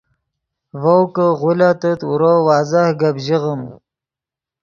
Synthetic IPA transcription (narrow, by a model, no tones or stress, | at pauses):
vowkəʁulat̪ət̪ṵɾowɑːzahɡabʒiʁəm